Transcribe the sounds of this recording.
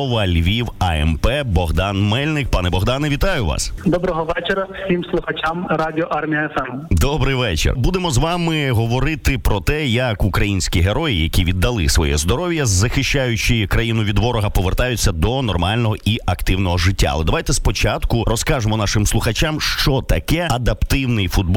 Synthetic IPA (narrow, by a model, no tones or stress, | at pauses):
ʋɐlʲʋʲiwɐɛ̰mpɛbɔɦd̪ɑnmɛlʲnɪk̚pɑnɛbɔɦd̪ɑnɪʋʲit̪ɑjʊʋɑ̰sd̪ɔbɾɔɦɔʋɛt͡ʃeɾɐwsʲimslˠʊxɐt͡ʃamɾadʲɪɔʔɑrmʲijɐɛfɛmd̪ɔbɾɪjʋɛt͡ʃḛrbud̪emɔzʋɑmɪɦɔʋɔɾɪt̪ɪpɾɔt̪ɛjɐkukɾɐjinʲsʲkʲiɦeɾɔjɪjɐkʲiʋʲid̪ːɐlˠɪ̰sʋɔ̰jɛ̰zd̪ɔɾɔʋjɐzːɐxɪʃt͡ʃajʊt͡ʃɪkɾɐjinʊʋʲid̪ʋɔɾɔɦɐpɔʋert̪ajʊt͡sʲːɐd̪ɔnɔrmɑlʲnɔɦɔiɐkt̪ɪwnɔɦɔʐɪtʲːa̰ɐlˠɛd̪ɐʋajt̪ɛspɔt͡ʃɑt̪kʊrɔskɑʒemɔnɑʃɪmslˠʊxɐt͡ʃamʃt͡ʃɔt̪ɐkɛɐd̪ɐpt̪ɪwnɪjfʊd̪̚b